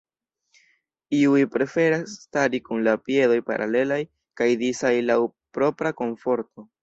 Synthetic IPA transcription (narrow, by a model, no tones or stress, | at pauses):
iujpɾe̞fe̞ɾasːtaɾikunlapie̞do̞jpa̰ɾʔa̰le̞laj | kajdisajlawpɾo̞pɾako̞ɱfo̞ɾto̞